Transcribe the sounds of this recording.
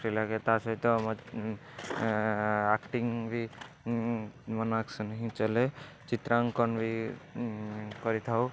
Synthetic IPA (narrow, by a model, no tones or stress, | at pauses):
ɾilaket̪asɔit̪ɔm | akʈiŋbʱi | mənaksnɦĩt͡ʃəle | t͡ʃit̪ɾaŋkɔnbʱi | kɔɾit̪ʰau